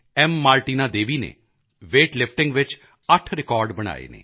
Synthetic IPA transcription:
ɛmːaːlʈiːnaːd̪eːʋiːnḛː | ʋeːʈlɪpʰʈɪ̃ŋɡʋɪt͡ʃ | əʈʰɾɪkɔːɾɖbəɽ̃a̰ːḛːnḛː

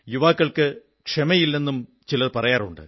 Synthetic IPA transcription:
juʋaːkːɐɭkɨ | kʂemɐjilːe̞nːum | t͡ɕilɐðpɐrɐjaːrṵɳɖɨ̰

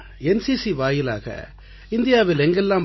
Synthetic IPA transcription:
ɛnsisiʋaːjɪla̰ːɣɐ̰ | ɪnd̪ɪjaːʋɪlɛŋɡɛlːãːm

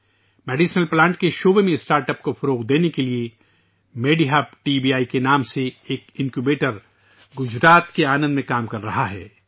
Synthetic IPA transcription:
mɛːɖiːʃnəlplãːɳʈ̚keʃoːbemẽɪsʈaːɾʈəpkofɐɾoːqd̪eːnekelie | meːɖiɦaːb̚ʈiːbiːaːikenaːmseeːkɪ̃ŋkjubeːʈəɾ | ɡʊd͡ʒɾaːt̪keaːnə̃nd̪mẽkaːmkɐɾːɐɦaɦɛː

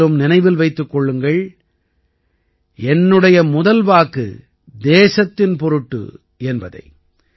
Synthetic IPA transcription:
ɯmnɪnɐɪʋɪlʋɐɪt̪ːɯkːɔɭːɯŋɡɐɭ | ɛnːɯɽɐjɐmʊðɐlʋaːkɯ̰ | d̪eːsɐt̪ːɪnpɔɾɯʈːɯ̰ | ɛnbɐðɐ̰ɪ

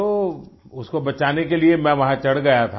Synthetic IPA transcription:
oːʊskobɐt͡ʃaːnekeliemɛ̃ʋɐɦãt͡ʃɐɽɡɐjat̪ʰa

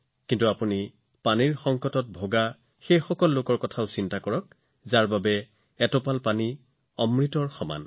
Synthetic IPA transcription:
kintuapuni | paniɹxɔŋkɔtɔt̚bʱoɡa | xejxɔkɔlːokɔɹkɔtʰaʊsintakɔɹɔk | zaɹbabɛ | ɛtɔpalpani | ɔmɹitɔɹxɔma̰n

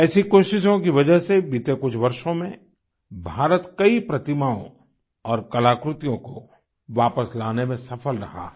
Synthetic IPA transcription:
ɛːsikoːʃɪʃõkiʋɐd͡ʒəɦsebɪt̪ekʊt͡ʃʰʋɐɾʃõmẽ | bʱaːɾət̪kɐipɾɐt̪ɪmaːõ̰ | ɔːɾkɐlaːkɾʊt̪ijõko | ʋaːpəslaːnemẽsɐfəlɾɐɦa̰ː

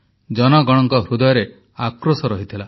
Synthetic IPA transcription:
d͡ʒɔnɔɡɔɽ̃ɔŋkɔɦɾud̪ɔjɔɾe | akɾosɔɾɔɦit̪ʰila

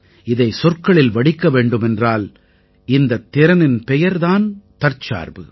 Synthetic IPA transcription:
ɪðɐɪsɔrkɐɭɪlʋɐɽɪkːɐʋeːɳɖɯmɛndraːl | ɪnd̪ɐt̪ːɪɾɐnɪnpɛjɐɾðaːnt̪ɐɾt͡ʃa̰ːɾbɯ̰

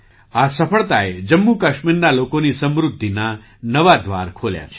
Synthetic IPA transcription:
asəpʰəɭt̪aed͡ʒəmːukəʃmiɾnalokonisəmɾud̪ʱːina | nəʋad̪ʱʋa̰ɾkʰolja̰t͡ʃʰ

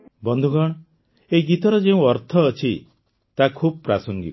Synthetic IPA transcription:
bɔnd̪ʱuɡɔɽ̃ɔ | eiɡit̪ɔɾɔd͡ʒeũɔɾt̪ʰɔːt͡ʃʰi | t̪akʰubɔpɾasɔŋɡḭ

